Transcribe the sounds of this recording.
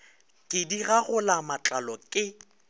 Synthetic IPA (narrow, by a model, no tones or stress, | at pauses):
kʼɪdiɣaɣʊlamat͡ɬʼalɔkʼɪ